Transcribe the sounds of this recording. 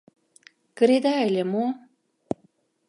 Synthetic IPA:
kə̆ɾed̪aelʲemo

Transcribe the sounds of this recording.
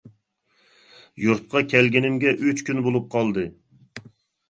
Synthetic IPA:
juɾt̪̚qʰɑkʲʰɛlɡʲɪnɪmɡʲɛʔøt͡ʃkʲynbolˠup̚qʰɑlˠd̪ɨ

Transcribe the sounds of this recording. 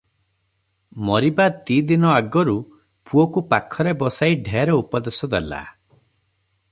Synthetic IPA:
mɔɾibat̪id̪inɔaɡɔɾu | pʰuɔkupakʰɔɾebɔsaiɖʱeɾɔupɔd̪esɔd̪ela̰

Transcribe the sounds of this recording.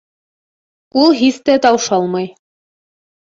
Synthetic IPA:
ulˠɦiθt̪æt̪ɑwʃɑlˠmɑj

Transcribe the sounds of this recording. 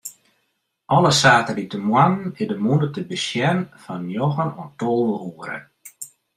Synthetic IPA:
ʔɔlˠəsaːtəlitəmwanɪdəmundətəbəsjɛnfɔnjoɣənɔntoːlˠʋəhuəɾə̰

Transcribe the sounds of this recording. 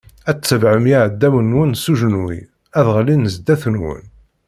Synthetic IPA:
æt͡sːəvʕəmjiʕəd̪ːæmənːwənsuʒnwḭ | æðʁlinəzd̪æθnwə̰n

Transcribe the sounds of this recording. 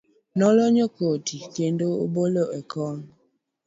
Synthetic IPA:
nɔlɔɲəkotʰikendoo̰boloɛkɔːn

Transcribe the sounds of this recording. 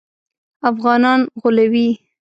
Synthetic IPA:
afɣɑnɑnɣʊlawi

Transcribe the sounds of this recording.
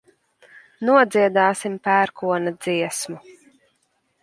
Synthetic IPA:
nuɔd̪ziɛd̪aːsimpæːɾkuɔnad̪ziɛsmu

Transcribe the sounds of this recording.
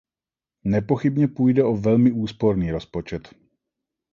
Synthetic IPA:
nɛpo̞xɪbɲɛpuːjdɛʔo̞vɛlmɪuːspo̞ɾniːɾo̞spo̞t͡ʃɛt̪

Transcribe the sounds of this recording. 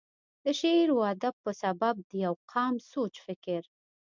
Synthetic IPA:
d̪əʃeɾwɑd̪apəsabab̚d̪əjawqʰɑmsot͡ʃfɪkɪɾ

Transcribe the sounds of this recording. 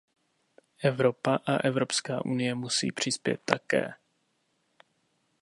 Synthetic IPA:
ʔɛvɾo̞paʔaʔɛvɾo̞pskaːʔunɪjɛmusḭːpr̝̥ɪspjɛ̰t̪ːakɛ̰ː

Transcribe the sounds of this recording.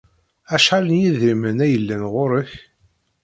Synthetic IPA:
æʃħalənjiðimənæjəlːænʁʊɾəç

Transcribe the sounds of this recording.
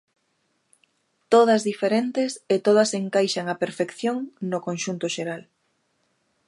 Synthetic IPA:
t̪oð̞ɐzðifeɾent̪ɪset̪oðɐseŋkajʃaŋɐpeɾfekθjoŋnokoŋʃunt̪ʊʃeɾal

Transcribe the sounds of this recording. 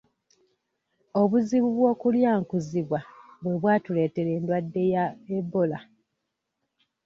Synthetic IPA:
o̞βuziβuβwo̞ːkuljaːŋkuziβwaβwe̞βwaːtule̞ːte̞ɾe̞ːndwadːe̞jaebola

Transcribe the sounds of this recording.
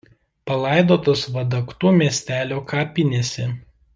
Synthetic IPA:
pɐlˠɑˑɪd̪oːt̪oːsʋɐd̪ɐkt̪uːmʲiɛsʲt̪ʲæːlʲoːkʰɑːpʲɪnʲesʲɛ

